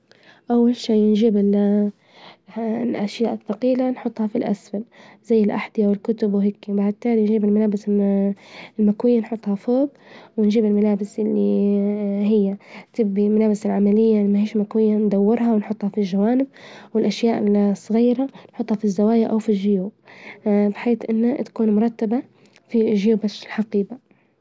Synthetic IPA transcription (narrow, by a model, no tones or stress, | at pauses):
ʔawːalʃiːnʒiːbɪl | ʔaʃjaːʔɪθːɑqiːlanħʊt̪ˤːhɑfilʔa̰sfalz̥ajːɪlʔa̰ħd̪ɪjawɪlkʊt̪ʊbwɦɪkːiwbaʕd̪̚t̪aːlnʒiːbɪlmalaːbɪs | ɪlmakwɪjːanħʊt̪ˤhɑfoːb | wɪnʒiːbɪlmalaːbɪsʔɪlːi | ɦɪjːat̪ɪbːimalaːbɪsɪlʕamalɪjːaʔmahiːʃmakwɪjːand̪awːɪɾɦawɪnħʊt̪ˤːhɑfilʒawaːnɪb̚wɪlʔaʃjaːʔɪlsˤɣiːɾanħʊt̪ːˤhɑfizːawaːjaʔawfilʒɪjuːb | bɪħeːθʔɪnːat̪ḁkuːnmʊɾˤɑt̪ːaba | fiʒɪjuːbaʃɪlħaqiːba